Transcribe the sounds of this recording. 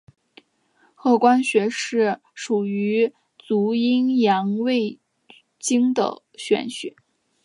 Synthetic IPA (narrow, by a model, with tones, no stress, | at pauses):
xɤ˥˩kwa˥nɕɥɛ˧˥ʂɻ̩˥˩ | ʂu˨˩y˧˥ | t͡su˧˥i˥ŋjɑ˧˥ŋwe˥˩ɪ | t͡ɕi˥ŋd̪ə̰˨˩ | ɕɥɛ̰˧˥nɕɛ̰˧˥˦